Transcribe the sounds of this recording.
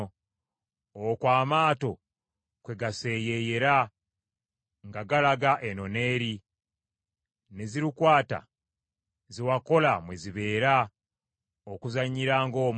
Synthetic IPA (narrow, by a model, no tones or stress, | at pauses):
okwaːmaːto̞ | kwe̞ɡase̞ːje̞je̞ɾa | ŋɡaɡalaɡaʔe̞no̞ne̞ːɾi | ne̞ziɾikwaːta̰ | ziwako̞lamwe̞ziβe̞ːɾa | okuzaɲːiɾaːŋɡo̞ːm